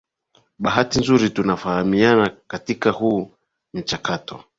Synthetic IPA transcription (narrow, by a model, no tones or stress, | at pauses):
ɓaɦatinzuɾitunafahamianakatikahu | m̩t͡ʃakatɔ